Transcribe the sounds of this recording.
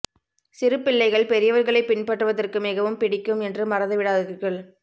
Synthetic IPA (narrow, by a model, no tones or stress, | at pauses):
sɪɾɯpːɪɭːɐɪɣɐɭpɛɾɪjɐʋɐɾɣɐɭɐɪpːɪnpɐʈːɯʋɐðɐrkɯmɪɣɐʋɯmpɪɽɪkːɯmɛndrɯmɐɾɐðɯʋɪɽaːðɯɾɣɐɭ